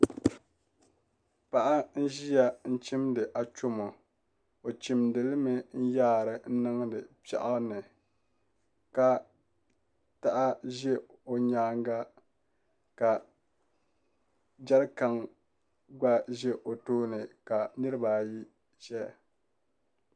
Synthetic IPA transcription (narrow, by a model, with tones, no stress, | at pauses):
pa˨ʔa˦n̩˦ʒi˦ja˦n̩˦t͡ʃi˦mdɨ˨ʔa˨t͡ʃo˦mo˨ | o˨t͡ʃi˨mdɨ˨lɨ˦mɨ˦n̩˦jaː˦˨ɾɨ˨n̩˦nɨ˦ŋ˦dɨ˨pɛ̰˨ʔa˦nɨ˨ | ka˨ | ta˦ʔa˦ʒɛ˦ | o˨ɲaː˦ŋ˦ɡa˦ | ka˨ | d͡ʒɛ˦lka˨ŋ | ɡ͡ba˦ʒɛ˦ʔo˨toː˦nɨ˨ka˨nɨ˦ɾɨ˦ba˨ji˦ | ʒɛ˦˨